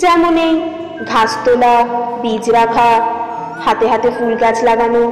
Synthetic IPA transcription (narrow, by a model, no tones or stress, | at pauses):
d͡ʒɛmonej | ɡʱast̪olabid͡ʑɾabʰʱa | hat̪eɦat̪eɦulɡat͡ʃʰlaɡano